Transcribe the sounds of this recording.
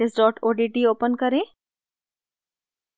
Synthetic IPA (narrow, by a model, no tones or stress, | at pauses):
esɖɔːʈʰoːɖiːʈiːoːpənkəɾẽ